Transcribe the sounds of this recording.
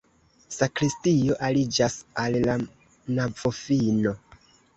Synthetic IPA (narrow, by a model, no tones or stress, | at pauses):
sakɾistio̞ʔalid͡ʒasalla | navofino̞